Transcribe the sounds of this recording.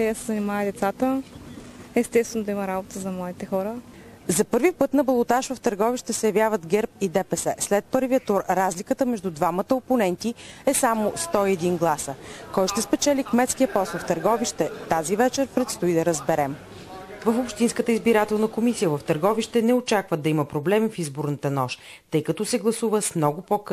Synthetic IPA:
jasɛzənimavəd̪ɛt̪sat̪ə | ɛst̪ɛst̪vɛnʊd̪ɐimɐɾabot̪əzɐmlˠad̪it̪ɛxɔɾə | zɐpɤɾvipɤt̪nɐbɐlˠot̪aʃvəft̪əɾɡɔviʃt̪ɛsɛjɐvjavəd̪ɡɛɾpid̪ɛpɛsɛslɛt̪̚pɤɾvijət̪uɾːazlikət̪əmɛʒd̪ud̪vamət̪əoponɛnt̪iɛsamʊst̪ɔiɛd̪inɡlˠasəkɔjʃt̪ɛspɛt͡ʃɛlikmɛt̪sk̟ijəpɔslˠft̪əɾɡɔviʃt̪ɛt̪azivɛt͡ʃɛɾpɾɛt̪st̪oid̪ɐɾəzbɛɾɛm | vəfopʃt̪inskət̪əizbiɾat̪ɛlˠnəkomisijəvəft̪əɾɡɔviʃt̪ɛnɛot͡ʃakvəd̪ɐiməpɾoblɛmifizbʊɾnət̪ənɔʃ | t̪ɤjkɐt̪ɔsɛɡlˠɐsuvəsmnɔɡʊpok

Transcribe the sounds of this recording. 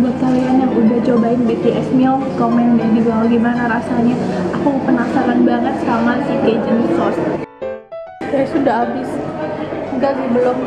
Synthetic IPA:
buat̪̚kalianjaŋudaht͡ʃobaɪŋbet̪eʔɛsmiɔkɔmɛndadibawaɡimanaɾasaɲaakapənasakanbaŋət̪̚samasiked͡ʒənkɔs | sajasudahabɪs | ɡaɡibəlɔm

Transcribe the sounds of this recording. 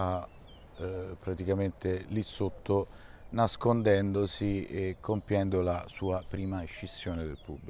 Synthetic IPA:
a | pːɾat̪ikament̪elisot̪ʰːonaskond̪ɛnd̪osiekʰːompjɛnd̪olasuːapɾiːmaet͡ʃːisːjoːned̪elpubːli

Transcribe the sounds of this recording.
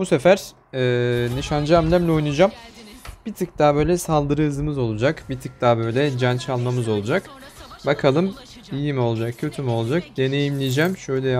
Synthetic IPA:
buse̞fæɾ̥ | ɛːniʃand͡ʒamlʲæmlʲɛo̞jnud͡ʒamb̥it̪ʰɯk̚t̪aːbø̞jlʲɛsalˠd̪ɯɾɯɯzɯmɯzo̞lˠud͡ʒakbit̪ʰɯk̚t̪ʰaːbø̞jlʲɛd͡ʒant͡ʃʰalˠmamɯzo̞lˠud͡ʒak | bakʰalˠɯm | ijimo̞lˠd͡ʒak̚cʰø̞t̪ʰymolˠd͡ʒak̚d̪̥e̞ne̞jimlʲijd͡ʒæmʃø̞jlʲɛ

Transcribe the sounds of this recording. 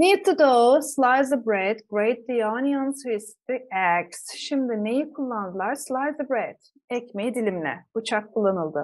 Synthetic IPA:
nit̪ʰːɨd̪oslˠajzəbɾɛd̪ɡɾejt̪̚d̪ijanijansojisi̥t̪iɛksʃimd̪ɪnejikʰulˠːand̪ɯlˠaɾslˠajzəbɾɛd̪̥ | ɛcmejid̪ilʲimlʲɛ̰b̥ut͡ʃʰak̚kʰːulˠːanɯlˠd̪ɯ

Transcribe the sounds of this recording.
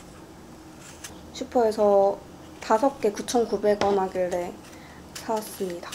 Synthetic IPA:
ɕʰipʰoe̞sʰʌ | tasʰʌp̚k͈e̞kut͡ɕʰʌnkubeɡ͈ʌnɦaɡiɭɾe̞ | sʰas͈ɯmɲidḁ

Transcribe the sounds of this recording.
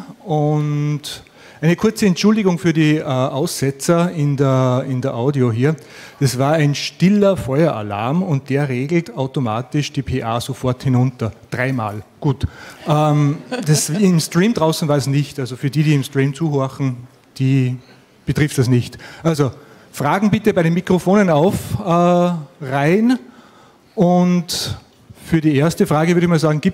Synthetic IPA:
ʊnt | ʔaɪnəkʰʊɐt͡səɛntʃʊldɪɡʊŋfyːɐdiːʔɛːʔaʊsːɛt͡sɐɪndəɐɪndɐʔaʊdioɦiːɐ | d̥ɐsvaːɐæɪnʃtɪlɐfɔʏɐʔa̰la̰ɐmʊnt̚d̥eːɐʁeːɡl̩taʊtomaːtɪʃd̥iːpʰeːʔaːsofɔɐthɪnʊntɐd̥ʁaɪma̰ːlɡ̥uːtʔɛːmd̥asɪmstʁ̥iːmd̥ʁaʊsn̩vaːɐsnɪçtalzofyːɐdiːɾiːɪmstʁ̥iːmt͡suːɦoɐxn̩ | d̥iː | b̥ətʁɪftd̥ɐsnɪçtʔalzo | fʁaːɡŋ̩bɪtəbaɪɾenmikʁ̥ofoːnənaʊfː | ʁaɪn | ʔʊnt | fyːɐɾiːeːɐstəfʁ̥aːɡəvʏɐɾɪçmaːlzaːɡŋ̩ɡ̥iːp̚

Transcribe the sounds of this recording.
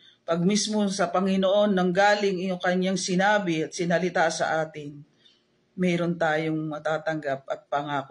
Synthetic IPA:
pɐɡ̚mismo̞sɐpɐŋɪnoʔo̞nːɐŋɡaːlɪŋjʊŋkɐɲːaŋsɪnaːbɪɐt̪̚sɪnɐlɪt̪asɐ̰ʔaːt̪ɪn | mɛːɾo̞nt̪aːjoŋmɐt̪aːt̪ɐŋɡap̚ʔɐt̪̚pɐŋaːko

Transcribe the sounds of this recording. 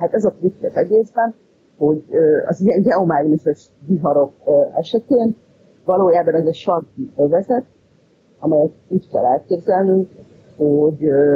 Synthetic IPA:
ɦat̪ɛzɒt̪ɾitːɛt̪ɛɡeːzbɛn | ho̞ɟøɒ̰ziɛnɟɛomaːɡnisɛʃ | diɦɒɾo̞køɛʃɛt̪eːn | vɒloːjaːbɒnɛzɛʃɒrkiøvɛzɛt̪̚ | ɒmɛjɛt̪uːckɛ̰lːɛlkeːbzɛlnyŋk | hoɟ

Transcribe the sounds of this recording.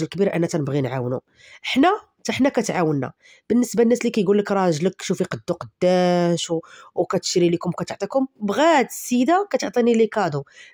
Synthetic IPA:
lkbiɾʔənːæt̪ænəbɣinʕawnṵ | ʔəħnæ | t̪æħnækæt̪ʕawənːæ̰ | b̥ənːəsbanːæslikæjɡulːəkɾˤɑʒləkːʃufiqɑd̪ːuqɑd̪ːæʃwkæt̪ə̥ʃɾilikʊmwkæt̪oʕt̪ˤikʊmbɣæd̪əsːid̪akæt̪oʕt̪ˤinilikɑd̪u

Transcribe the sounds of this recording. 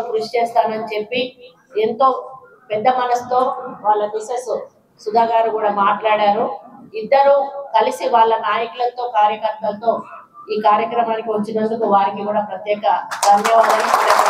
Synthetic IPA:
kɾuʂi̥t͡ʃɛːst̪aːnɐnit͡ʃe̞pːi | ent̪o̞ː | pɛd̪ːɐmɐnɐst̪o̞ːʋaːɭːɐmisɐsu | sud̪ʱaːɡaːɾuɡuːɽaːmaːʈlaːɽaːɾuid̪ːɐɾukɐlisiʋaːɭːɐnaːjɐkulɐnt̪o̞ːkaːɾjɐkɐɾt̪ːɐlt̪o̞ː | iːkaːɾjɐkɾɐmaːnikiʋɐt͡ʃːinɐnd̪ukuʋaːɾikikuːɽaːpɾɐt̪jɛːkɐɡ̪ɐmjɐʋaːd̪ɐniɐɾe

